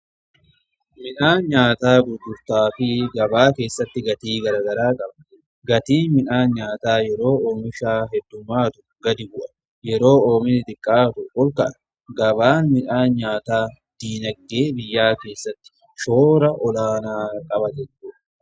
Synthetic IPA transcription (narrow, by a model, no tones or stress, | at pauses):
mɪnaːnɲaːt̪aːɡʊd̪ːʊɾt̪aːfɪɡɐbaːke̞ːsːɐt̪ːɪɡɐt̪iːɡɐɾɐːɡɐɾaːkʼɐbɐ | ɡɐt̪iːnmɪnaːnɲaːt̪aːjɛɾo̞ːʔoːmɪʃaːɦɛd̪ːʊmːaːt̪ʊ | ɡɐd̪ɪbʊʔɐ̥ | jɛɾo̞ːoːmɪnɪt̪ʼɪkʼːaːt̪ʊʔɔlkɐʔɐ | ɡɐbaːnmɪnaːnɲaːt̪aː | d̪̥iːnɐɡːeːbɪjːaːke̞ːsːɐt̪ːɪ̥ | ʃoːɾɐʔɔlaːnaːkʼɐbɐt̪ɛdu